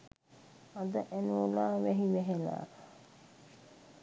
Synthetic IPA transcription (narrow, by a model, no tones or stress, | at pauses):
ad̪əʔænuolaːʋɛɦiʋɛɦela̰ː